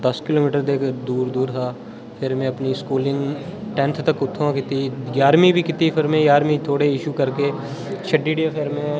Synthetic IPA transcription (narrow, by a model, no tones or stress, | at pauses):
d̪əskɪloːmiːʈəɾd̪eːkd̪uːɾd̪uːɾt̪ʰaː | pʰɪɾmɛ̃ːəpniːskuːlɪŋɡʈɛ̃nt̪ʰt̪əkʊt̪ʰːõkɪt̪iːɡjaːɾmĩːbʱiːkɪt̪iːpʰɪɾmẽːɡjaːɾmĩːt̪ʰoːɽeɪʃuːkəɾkeː | ʃʰəɖiːɖiepʰɪɾmẽː